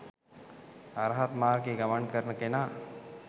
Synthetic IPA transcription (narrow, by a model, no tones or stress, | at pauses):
aɾəɦat̪maːɾɡeːɡamankəɾnəkena